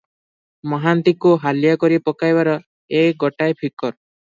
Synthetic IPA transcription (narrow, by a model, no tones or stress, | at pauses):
mɔɦant̪ikuɦalijakɔɾipɔkajbaɾɔ | eɡɔʈajpʰikɔɾ